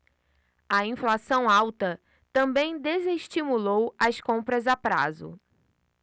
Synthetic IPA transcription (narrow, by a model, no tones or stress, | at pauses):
ɐĩflasɐ̃w̃awt̪ɐ | t̪ɐ̃bẽj̃d̪ezeʃt͡ʃimulowɐskõmpɾɐzapɾa̰zʊ̰